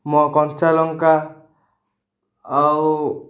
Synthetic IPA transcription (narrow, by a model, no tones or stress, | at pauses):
mɔkɔnt͡ʃalɔŋka | w